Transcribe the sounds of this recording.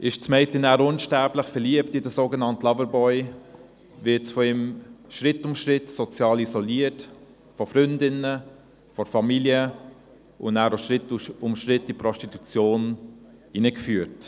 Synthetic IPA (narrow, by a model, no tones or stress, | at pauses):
ʔɪʃt͡smɛɪtlinæːɾʊnʃtæɾbləχfɛɾliəptidəsoːɡənɑntlɑvəɾbɔʏ | vɪtsfɔɪmʃɾɪtʊmʃɾɪtsɔt͡sjɑːlizɔliət | fɔfɾʏndɪnə | fɔfɑmiljə | ʔʊndæːɾoʃɾɪtʊmʃɾɪtːdipɾɔʃtitu̥t͡sjoːn | inəkfyːəɾt